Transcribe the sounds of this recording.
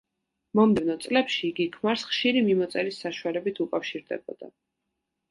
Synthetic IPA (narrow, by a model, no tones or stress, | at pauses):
mɔmd̪ɛvnɔt̪sʼlɛpʃiːɡikʰmaɾsχʃiɾimimɔt̪sʼɛɾisːaʃualɛbit̪ʰukʼafʃiɾd̪ɛbɔ̰d̪a̰